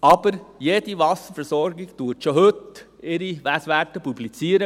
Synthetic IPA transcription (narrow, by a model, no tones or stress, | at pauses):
ɑb̥əɾjed̪iʋɑsəɾfəɾsɔɾɡɪɡt̪uətʃohɵt̪ | ɪɾiʋæsʋætəpublit͡siːəɾə